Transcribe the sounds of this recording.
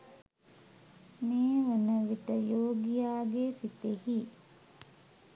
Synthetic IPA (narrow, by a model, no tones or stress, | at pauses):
meːʋənəʋiʈəjoːɡijaːɡesit̪ehi